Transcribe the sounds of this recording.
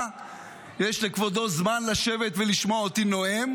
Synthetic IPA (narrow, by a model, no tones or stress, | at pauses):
jeʃlekvod̪o̞zmanlaʃe̞ve̞t̪veliʃmoaot̪ino̞em